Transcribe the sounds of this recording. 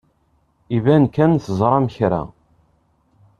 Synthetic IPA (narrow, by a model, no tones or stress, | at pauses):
ivænkːænθəzˤɾˤɑmçɾæ̰